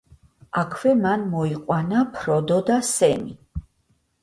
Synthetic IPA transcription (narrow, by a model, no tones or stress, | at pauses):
akʰwɛmanmɔiqʼwanapʰɾɔd̪ɔd̪asɛmi